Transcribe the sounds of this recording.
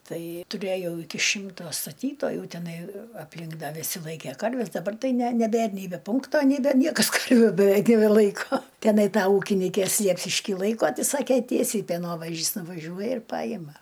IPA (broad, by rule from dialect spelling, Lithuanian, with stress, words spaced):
ˈtɐɪ tʊˈrʲeːjɛʊ ˈɪkʲɪ ˈʃʲɪmtoː stɐˈtʲiːtoːjuː tʲɛˈnɐɪ ɐpʲˈlʲɪŋk ˈdɐ ʋʲɪˈsʲɪ ˈlˠɐɪkʲeː ˈkɐrʲʋʲɛs dɐˈbɐr ˈtɐɪ nʲɛ nʲɛˈbʲeːr nʲɛɪ bʲɛ ˈpʊŋktoː nʲɛɪ ˈdɐ ˈnʲiɛkɐs ˈkɐrʲʋʲʊ bʲɛˈʋʲɛɪk nʲɛbʲɛˈlˠɐɪkoː tʲɛˈnɐɪ ˈtɐ ˈuːkʲɪnʲɪkʲeːs ˈsʲlʲiɛpʲʃʲɪʃʲkʲiː ˈlˠɐɪkoː ˈtɐɪ ˈsɑːkʲeː ˈtʲiɛsʲɛɪ pʲɛˈnoːʋɐʒʲɪs nʊʋɐˈʒʲuɔjɛ ɪr ˈpɑːjɪmɐ